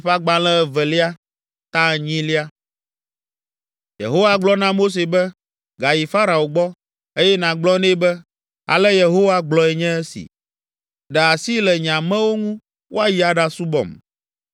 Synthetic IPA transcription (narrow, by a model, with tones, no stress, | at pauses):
ɸa˦ɡ͡ba˨lɛ̃˦ɛ˨vɛ˨li˦a˦ | t̪ã˦˨ɲĩ˦li˦a˦ | jḛ˨ɦo˦wa˦ɡ͡blɔ˦nã˦mo˦s̬e˨bɛ˦ | ɡa˨ji˨fa˦ɾa˨o˨ɡ͡bɔ˦ | e˦jɛ˦nã˨ɡ͡blɔ˦nẽ˦bɛ˦ | a̰˨lɛ˦je˨ɦo˦wa˦ɡ͡blɔ˨ɛ˨ɲɛ̃˦ɛ˦sḭ˨ | ɖɛ˨a˨si˦lɛ˨ɲã˨mɛ̃˦wo˦ŋũ˦ | wʔo˦a˦ji˨a˨ɖa˨su˦bɔ̰˨m